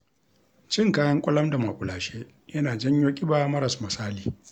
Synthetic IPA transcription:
t͡ʃɪ˦ŋkaː˦jɐ˦ŋkʷʼʊ˦lɐ˦mda˨ma˨kʷʼʊ˨laː˨ʃeː˦ | jɐ˦naː˨d͡ʒɐ˦ɲjoː˦kʲʼɪ˦baː˨mɐ˦ɾɐ˨smɐ˨saː˦liː˨

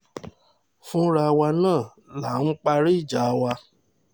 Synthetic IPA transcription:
fũ˦ɾa˧wa˧nãː˦˨ | la˨˦˨ñũ˦k͡pa˧ɾi˦i˦˨d͡ʒa˨˧wa˧

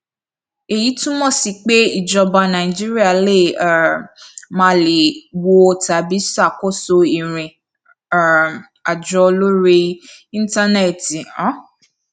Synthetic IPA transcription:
e˨ji˨˦tũ˦mɔ̃˦˨si˧k͡pe˦i˦˨d͡ʒɔ˧ba˧nã˨ĩ˨d͡ʒi˦ɾi˦a˦˨le˦˨a˨ | mã˦le˨wo˧o˧˨ta˨bi˨˦sa˦˨ko˦˨so˧i˨ɾ̃ĩ˨ | a˨d͡ʒɔ˨˧lo˦ɾe˧ĩ˦n˦ta˦nɛ˦˨ti˨ɔ̃˦

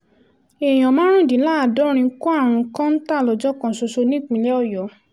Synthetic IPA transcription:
e˨j̃ɔ̃˨mã˨˦ɾ̃ũ˦˨di˨˦laː˦˨dɔ˨˦ɾ̃ĩ˧˦ku˦a˦˨ɾ̃ũ˧˦kã˦n̩˦ta˦˨lɔ˨˧d͡ʒɔ˦kã˧˨so˧so˧nĩ˦˨k͡pĩ˧lɛ˦ɔ˦˨jɔ˨˦

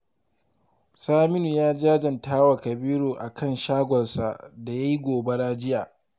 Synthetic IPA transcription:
saː˦mɪ˦nu˨jaː˦d͡ʒaː˦d͡ʒɐ˨ntaː˦wa˨kɐ˨biː˦ɾoː˨ʔa˨kʰɐ˦nʃaː˦ɡʷɔ˨rsa̰˨da˨ja˦ji˦ɡʷoː˨be˦ɽaː˦d͡ʒɪ˦jaː˨

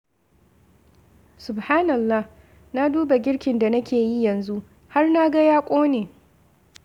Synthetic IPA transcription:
sʊ˨bhaː˦nɐ˨lːa˦h | na˦duː˦ba˨ɡʲɪ˦ɽkʲɪ˨nda˨nɐ˦kʲeː˨ji˦jɐ˨nzu˦ʔ | ha˦rna˦ɡa˦jaː˦kʷʼoː˦neː˨

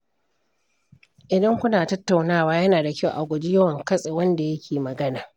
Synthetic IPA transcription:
ʔɪ˨dɐ˦ŋkʷʊ˦naː˨tɐ˦tːa˨wnaː˦˨waː˦jɐ˦naː˨dɐ˨kʲa˦wʔa˨ɡʷʊ˨d͡ʒi˦jɐ˦wɐ˨ŋkɐ˦sʼeː˨wɐ˦nda˨jɐ˦kʲeː˨mɐ˨ɡɐ˦naː˨

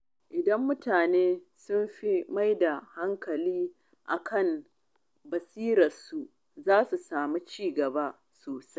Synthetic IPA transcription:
ʔɪ˨dɐ˦mːʊ˦taː˨neː˦ | sʊ˦mɸi˦ma˦jda˨ha˦ŋkɐ˨liː˦ | ʔa̰˨kʰɐ˦˨m | bɐ˨siː˦ɾɐ˨rsu˨ | zaː˦su˨saː˨mi˦t͡ʃiː˦˨ɡɐ˨ba˦ | soː˨sa˦j

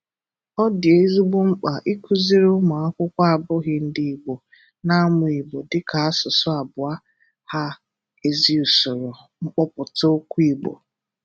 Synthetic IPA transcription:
ɔ˦dɪ˨e˦zu˦ɡ͡bo˦ŋ͡m̩˦k͡pa˨ʔi˦kʷʰu˦zi˦ɾo˦ma˨ɔ˦kʷʊ˦kʷa˦a˨bʊ˦ɣɪ˦n̩˨di˨i˨ɡ͡bo˨ | na˦mʊ˨i˨ɡ͡bo˨dɪ˦kʰa˨a˦sʊ˨sʊ˦a˨bʊ˨a˦ | ha˦ | e˨zi˦u˨sʊ˨ɾʊ˨ | ŋ͡m̩˦k͡pɔ˦pʊ˨to˦kʷu˦i˨ɡ͡bo̰˨

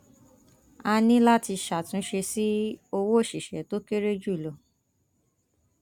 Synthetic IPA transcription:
a˧nĩ˦la˦ti˧ʃa˨tũ˨˦ʃe˧si˦o˧wo˦˨ʃi˨ʃɛ̰˨˦to˦ke˦ɾe˦d͡ʒu˦i˨lo˨

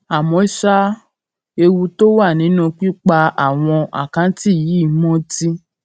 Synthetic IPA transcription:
a˨mɔ̃˨˦i˦ʃa˦ | e˧wu˧to˦wa˦˨nĩ˨˦nũ˦˧k͡pi˦k͡pa˧a˦˨w̃ɔ̃˧a̰˨kã˨˦ti˦˨ji˨˦˨mɔ̃˦ti˦

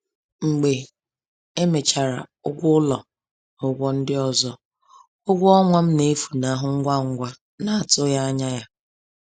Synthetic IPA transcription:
ŋ͡m̩˨ɡ͡be˨ | e˦me˨t͡ʃa˨ɾa̰˨ʊ˦ɡʷʊ˦ʊ˦lɔ˨ | ʊ˨ɡʷɔ˦n̩˦dɪ˦ɔ˨zɔ˦ | ʊ˦ɡʷʊ˦ɔ˦ŋʷa˦m̩˦ne˦fu˨na˨˦ɦʊ˦ŋ̩˦ɡʷa˦˨ŋ̩˦ɡʷa˦ | na˨a˨tʊ˦ja˦a˦ɲa˦ja˦

